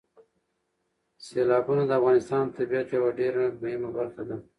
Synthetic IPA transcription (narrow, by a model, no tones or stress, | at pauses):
selɑbunad̪əafɣɑnɪst̪ɑnt̪abijat̪jawaɖeɾaɡbaimabalt̪ad̪a